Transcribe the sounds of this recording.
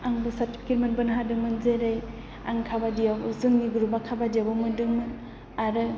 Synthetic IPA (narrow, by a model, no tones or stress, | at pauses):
aŋbɯsaɾti̥pʰi̥ket̚menbɯnɦadɯŋmɯnzeɾaj | a̰ŋkʰabadijawɯzɯŋniɡuɾubakʰabadijabamɯndɯŋmɯn | aɾɯ